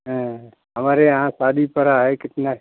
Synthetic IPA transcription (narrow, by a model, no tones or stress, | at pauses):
ɦə̃ | əmaɾeɦãsaːd̪ipəɾaɦekɪʈ̪na